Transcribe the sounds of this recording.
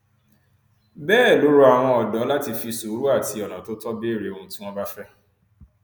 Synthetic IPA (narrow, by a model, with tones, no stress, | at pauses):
bɛː˦˨lo˨˦ɾu˦a˨w̃ɔ̃˧ɔ˨dɔ˨˦la˦ti˧fi˧˨su˨˦ɾu˦a˦˨ti˧ɔ˨nã˨to˦tɔ˦be˦˨ɾe˨õ˧ũ˦tĩ˦w̃ɔ̃˦ba˦fɛ˦